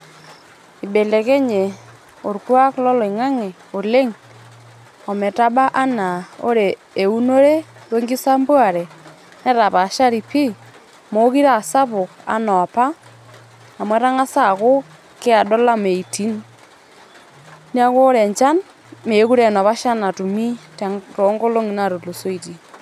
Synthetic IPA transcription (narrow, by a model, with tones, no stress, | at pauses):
ɪ˨be˨le˨ke˦ɲe˨ | o˨ɾkwa˦klɔ˦lɔ˨i˨ŋa˦ŋe˨ | o˨le˦ŋ | ɔ˨mɛ˨ta˦ɓa˦ʔa˦na˨o̰˦ɾeː˨ | u˦no˦ɾe˦we˦ŋɡi˦sa˦mbwa˨ɾe˨ | nɛ˦ta˨pa˨ʃa˦ɾi˨pi˦ | mo˦ki˦ɾa˨sa˦pʊ˨ka̰˦nɔ˨a˨pa˦ | a˨mwɛ˦ɾa˦ŋa˦sa˦˨ko˦ | ke˦a˨ɗɔ˦la˦me˨i˨ti˦n | ni˦a˦ko˦ɾɛ˨ɲt͡ʃa˦n | me˨˦ku˦ɾɛ˨nɔ˨pa˦ʃa˦na˨tu˨mi˦ta˨ŋto˨˦ŋɡo˦lo˦ŋi˨na˦˨ɾo˨lo˨so˦i˨ti˨